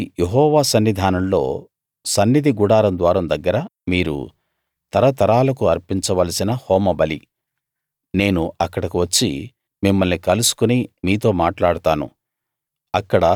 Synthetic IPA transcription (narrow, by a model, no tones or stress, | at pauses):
jeɦɔːʋaːsɐnːid̪ʱaːnɐmlo̞̰ː | sɐnːid̪ʱiɡuɽaːɾɐnd̪ʋaːɾɐmd̪ɐɡːɐɾɐmiːɾṵ | t̪ɐɾɐt̪ɐɾaːlɐkuɐɾpiɲt͡ʃɐʋɐlɐsinɐhɔːmɐbɐli | ne̞ːnuɐkːɐɽɐkuʋɐt͡ʃːi | mimːɐlnikɐlusu̥kunimiːt̪̬o̞ːmaːʈlaːɽut̪aːnṵ | ɐkːɐɽɐ